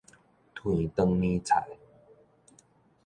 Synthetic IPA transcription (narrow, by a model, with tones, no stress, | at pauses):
t̪ʰwi˨˩t̪ə˧ŋnĩ˦t͡sʰa̰˨˩˦j